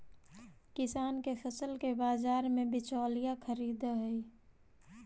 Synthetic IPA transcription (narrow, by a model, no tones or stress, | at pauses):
kɪsaːnkefʰəsəlkebaːzaːɾmẽbɪt͡ʃɔːlijakʰəɾiːd̪ɦəi